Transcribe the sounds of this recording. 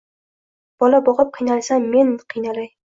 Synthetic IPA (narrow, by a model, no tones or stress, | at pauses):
b̥ɒlabɒʁɨp̚qʰijnalˠsamːe̞nqʰijnalaj